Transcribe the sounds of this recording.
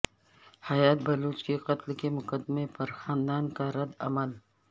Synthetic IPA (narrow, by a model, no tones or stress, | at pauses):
hɐjaːt̪̚bɐluːt͡ʃkeqɐt̪lkemʊkəd̪mepɐɾxaːnd̪aːnkaɾɐd̪ɐ̰məl